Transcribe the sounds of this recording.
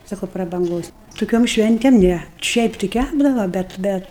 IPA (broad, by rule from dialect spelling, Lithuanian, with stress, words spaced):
ˈsɑːkoː prɐbɐŋˈɡoːs toːˈkʲoːm ˈʃʲʋʲɛnʲtʲeːm ˈnʲæ ˈʃʲɛɪp tʲɪ ˈkʲæbdɐʋɐ ˈbʲɛt ˈbʲɛt